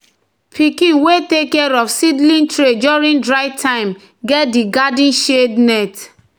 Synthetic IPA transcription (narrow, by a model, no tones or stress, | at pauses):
pʰikĩnwetekːɛɹɔfsidlĩntɹed͡ʒuɹĩndɹaɪtʰãɪ̃m | ɡɛt̚diɡadĩnʃednɛt